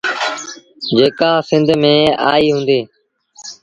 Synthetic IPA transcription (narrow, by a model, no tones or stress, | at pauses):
d͡ʒeːkãːsɪ̃nd̪ʱmẽːa̰ːiːɦũːnd̪eː